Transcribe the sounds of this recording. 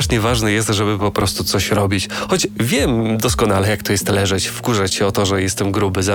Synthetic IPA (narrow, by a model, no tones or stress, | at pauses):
ʂɲɛvaʐnɛjɛst̪ʐɛbɘpɔpɾʔɔst̪ut̪sɔɕɾɔbʲit͡ɕxɔd͡ʑvʲjɛmd̪ɔskɔnalɛjakt̪ɔjɛst̪lɛʐɛt͡ɕfkuʐat͡ɕɕɛɔt̪ɔʐɛjɛst̪ɛmɡɾubɘza